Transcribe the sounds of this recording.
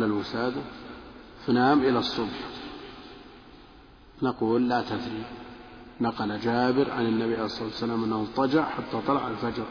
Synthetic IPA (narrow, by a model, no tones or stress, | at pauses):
lalwɪsaːd̪a | fanaːmʔɪlasˤːʊbħ | naquːlːat̪adɾi | naqɑlad͡ʒaːbɪɾʕa̰nɪnːabiʕalejsˤɑt̪wsːalaːmʔanːahʊt̪ˤɑd͡ʒɑʕħat̪ːat̪ˤɑlɑʕa̰lfad͡ʒɾˤ